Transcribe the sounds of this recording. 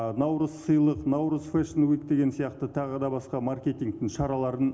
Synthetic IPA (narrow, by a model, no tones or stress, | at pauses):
nɑwɾəzsəjlˠəqnɑwɾəzfeʃənwikd̪e̞ɡʲe̞nsijɑqt̪ət̪ʰɑʁəd̪ɑbɑsqɑmarkʲe̞t̪ʲiŋk̚t̪ɪŋʃɑɾɑlˠɑɾən